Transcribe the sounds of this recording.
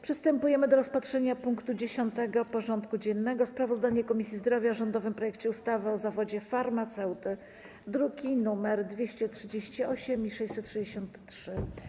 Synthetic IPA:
pʂɘst̪ɛmpujɛmɘd̪ɔɾɔspatʂɛɲapuŋkt̪ud͡ʑeɕɔnt̪ɛɡɔpɔʐɔnt̪kud͡ʑɛnːɛɡɔspɾavɔzd̪aɲɛkɔmʲisʲizd̪ɾɔvʲjaʐɔnd̪ɔvɘmpɾɔjɛk̚t͡ɕɛust̪avɘɔzavɔd͡ʑɛfaɾmat̪sɛwt̪ɘ | d̪ɾuɡʲinumɛɾd̪vʲjeɕt͡ɕɛtʂɘd͡ʑeɕt͡ɕiɔɕɛmiʂɛjsɛt̪tːʂɘd͡ʑeɕɔnt̪ːʂɘ

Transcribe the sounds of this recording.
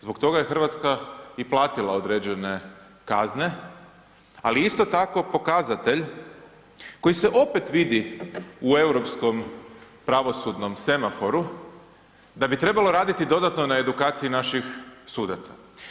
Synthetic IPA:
zbo̞kt̪o̞ɡaje̞xr̩ʋat̪skaiplˠaːt̪ilˠao̞d̪ɾeːd͡ʑe̞ne̞ | kazne̞ | aliist̪o̞t̪ako̞po̞kazat̪e̞ʎ | ko̞jise̞ʔo̞pe̞t̪ʋid̪iue̞wɾo̞psko̞m | pɾaʋo̞sud̪no̞msemafo̞ɾu | d̪abit̪ɾe̞balˠo̞ɾaːd̪it̪id̪o̞d̪at̪nonae̞d̪ukaːt̪siinaʃixsuːd̪at̪sa

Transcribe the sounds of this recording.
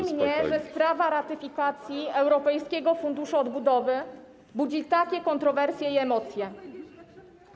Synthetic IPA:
mɲɛʐɛspɾavaɾat̪ɘfʲikat̪sʲjiɛwɾɔpɛjskʲɛɡɔfund̪uʂuɔd̪bud̪ɔvɘ | bud͡ʑit̪akʲɛkɔnt̪ɾɔvɛɾsʲjɛiɛmɔt̪sʲjɛ

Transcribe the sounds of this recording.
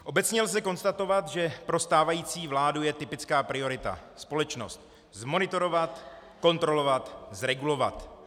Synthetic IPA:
ʔo̞bɛt͡sɲɛlzɛko̞nst̪at̪o̞vat̪ʒɛpɾo̞st̪aːvajiːt͡siːvlaːdujɛt̪ɪpɪt͡skaːpɾɪo̞ɾɪt̪a̰spo̞lɛt͡ʃno̞̰st̪̚ | zmo̞nɪt̪o̞ɾo̞vat̪ | ko̞nt̪ɾo̞lo̞vat̪zɾɛɡulo̞va̰t̪

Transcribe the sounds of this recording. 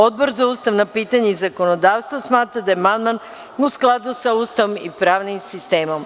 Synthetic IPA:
o̞d̪̚bo̞ɾzauːst̪aʋnapiːt̪aɲeizako̞nod̪aːʋst̪ʋosmaːt̪ɾad̪ajemand̪man | usklˠad̪usauːst̪aʋo̞mipɾaːʋnimsist̪eːmo̞m

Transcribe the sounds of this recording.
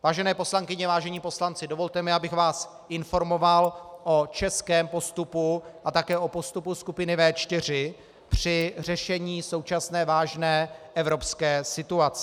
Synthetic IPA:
vaːʒɛnɛːpo̞slaŋkɪɲɛvaːʒɛɲiːpo̞slant͡sɪdo̞vo̞lt̪ɛmɪʔabɪxvaːs | ʔɪnfo̞ɾmo̞valʔo̞t͡ʃɛskɛːmpo̞st̪upuʔat̪akɛːʔo̞po̞st̪upuskupɪnɪvɛːt͡ʃt̪ɪr̝ɪ | pr̝̥ɪr̝ɛʃɛɲiːso̞wt͡ʃasnɛːvaːʒnɛːʔɛvɾo̞pskɛːsɪt̪uat͡sɛ̥

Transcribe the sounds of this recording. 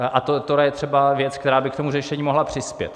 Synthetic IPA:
at̪ot̪oɾajɛt̪r̥ɛbavjɛt͡skt̪ɛɾaːbɪk̚t̪o̞murɛʃɛɲiːmo̞ɦlapr̝̥ɪspjɛ̰t̪

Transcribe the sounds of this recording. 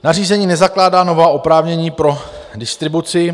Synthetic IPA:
nariːzɛɲiːnɛzaklaːdaːno̞vaːʔopɾaːvɲɛɲiːpɾo̞ | dɪst̪ɾɪbut͡sɪ

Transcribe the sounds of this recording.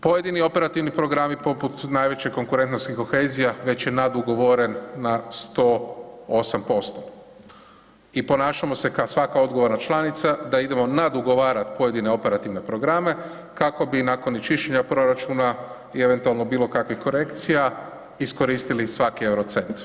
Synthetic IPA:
po̞je̞d̪inio̞pe̞ɾat̪iʋnipɾo̞ɡɾamipo̞put̪najʋe̞t͡ɕekːo̞ŋkuɾe̞nt̪noskixkːo̞xe̞ːzijaʋe̞t͡ɕje̞nad̪uɡo̞ʋoɾe̞nːast̪o̞osampo̞st̪o̥ | ipo̞naːʃamo̞se̞kasʋakao̞d̪ɡo̞ʋo̞ɾnat͡ʃlˠanit̪sad̪aid̪e̞mo̞nad̪uɡo̞ʋaːɾat̪po̞je̞d̪ine̞o̞pe̞ɾat̪iʋne̞pɾo̞ɡɾame̞ | kako̞binaːko̞nit͡ʃiʃeɲapɾo̞ɾat͡ʃuːna | ie̞ʋe̞nt̪ualˠno̞biːlo̞kakʋixko̞ɾe̞kt̪sija | isko̞ɾiːst̪ilisʋakiewɾot̪se̞nt̪

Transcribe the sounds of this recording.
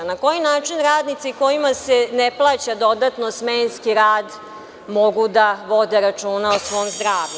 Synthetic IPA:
nako̞jinaːt͡ʃinɾaːd̪nit̪siko̞jimaseneplˠaːt͡ɕad̪o̞d̪at̪nosmenskiɾaːd̪ | moɡud̪aʋo̞d̪eɾat͡ʂuːnaosʋo̞omzd̪ɾaːʋʎu

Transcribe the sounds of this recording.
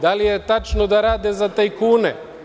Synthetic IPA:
d̪alijet̪at͡ʃnod̪aɾaːd̪ezat̪ajkuːne

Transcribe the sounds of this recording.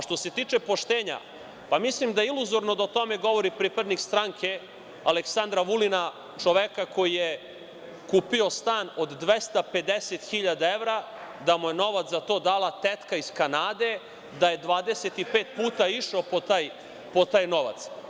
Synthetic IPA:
ʃt̪o̞se̞t̪iːt͡ʃe̞po̞ʃt̪eːɲa̰ | pamislimd̪aeiluzo̞ɾnod̪ot̪o̞me̞ɡo̞ʋo̞ɾipɾiːpad̪nikst̪ɾaŋkʰe̞ | aleksand̪ɾaʋulina | t͡ʃoʋekako̞jije | kuːpio̞st̪aːno̞d̪ːʋest̪ape̞d̪eset̪xiʎad̪aeʋɾa | d̪amujeno̞ʋat̪szat̪o̞ːd̪aːlat̪et̪kaiskanaːd̪e̞ | d̪aje̞d̪ʋaːd̪e̞set̪ipe̞ːt̪puːt̪aiʃopot̪aːj | pot̪aːjno̞ʋa̰t̪s

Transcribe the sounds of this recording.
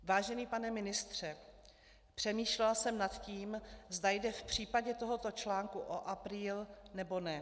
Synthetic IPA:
vaːʒɛniːpanɛmɪnɪst̪r̝̥ɛ | pr̝̥ɛmiːʃlɛlsɛmnat̪ciːmzdajdɛfpr̝̥iːpaɟɛt̪o̞ɦo̞t̪o̞t͡ʃlaːŋkuʔoʔapɾiːlnɛbo̞nɛ

